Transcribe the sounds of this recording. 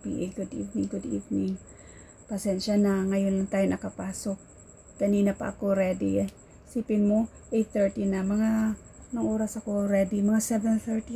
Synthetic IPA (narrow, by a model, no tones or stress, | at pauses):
pḭʔɛɡʊd̪ʔḭvnɪŋɡʊd̪ḭvnɪŋ | pɐsɛnʃanaŋɐjʊnlaŋt̪aːjonʔɐkɐpaːsok̚ | kɐniːnɐpɐ̰ʔɐkoɾɛd̪i | siːpɪnmo | ʔejt̪θɛɹt̪inɐmɐŋa | mɐŋʔoːɾɐsɐko̞ɾɛd̪imɐŋasɛvɛnθɛɹt̪i